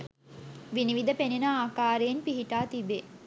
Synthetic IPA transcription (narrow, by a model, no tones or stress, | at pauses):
ʋiniʋid̪əpenenəaːkaːɾejenpiɦiʈaːt̪ibe